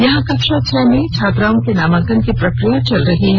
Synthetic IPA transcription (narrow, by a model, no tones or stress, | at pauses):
jɐɦãkɐkʃaʃʰɛmẽt͡ʃʰaːt̪ɾaːõkenaːmãːkənkipɾɐkɾijat͡ʃɐlɾɐɦiɦɛ̃